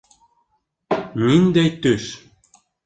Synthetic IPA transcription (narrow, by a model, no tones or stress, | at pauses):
minʲd̪ejt̪yʃ